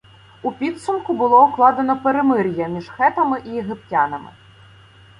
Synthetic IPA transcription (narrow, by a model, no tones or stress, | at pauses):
upʲit̪sʊmkʊbʊlˠɔuklˠɑd̪ɐnɔpeɾemɪɾʲjɐmʲiʂxɛt̪ɐmɪʔijeɣɪptʲanɐmɪ̰